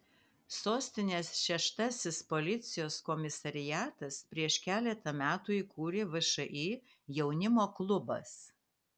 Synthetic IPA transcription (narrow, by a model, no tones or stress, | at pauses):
soːsʲt̪ʲɪnʲeːsʃʲɛʃt̪ɐsʲɪspolʲɪt̪sʲɪjoːskɔmʲɪsɐɾʲɪjæːt̪ɐspʲɾʲiɛʃkʲæːlʲɛt̪ɐmʲæːt̪uːikuːɾʲeːʋɐʃɐʔiː | jɛʊnʲɪmoːklˠʊbɐ̰s